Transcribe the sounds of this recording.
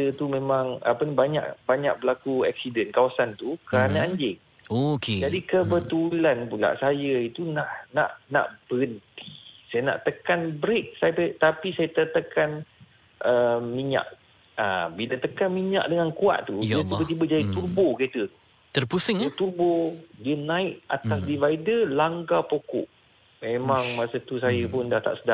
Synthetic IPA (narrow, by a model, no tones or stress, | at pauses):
t̪ət̪umẽmãŋa̰pənbaɲa̰ʔbaɲa̰ʔ̚bəlakuɛ̰k̚sidənkawasant̪ukəɾanaaɲd͡ʒɪŋ | oked͡ʒadikəbət̪ulanpula̰ʔsajəit̪unaʔnaʔna̰ʔb̥əənt̪i̥sajana̰ʔt̪əkanbɾek̚sajpət̪apisajat̪ət̪əkan | ʔəmiɲa̰ʔ | a̰bilət̪əkanmiɲa̰ʔ̚dəŋankua̰ʔt̪uiat̪ibət̪̬ibəd͡ʒadit̪uboket̪əu | t̪ərpusɪŋut̪ubodiənãɪʔat̪asdivaidəlaŋɡapokɔ̰ʔ | mẽmaŋmasət̪us̬ajəpʊndaht̪a̰ʔsəda